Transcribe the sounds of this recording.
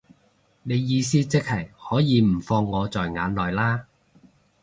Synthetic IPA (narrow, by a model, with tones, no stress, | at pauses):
ne˨˧jːiː˨˧siː˥t͡sɪ˥k̚hɐ˨˩jhɔː˨˥jiː˨˧m̩˨˩fɔː˧ŋːɔː˨˧t͡sɔː˨jŋa̰ː˨˥nlɔː˨˩jlaː˥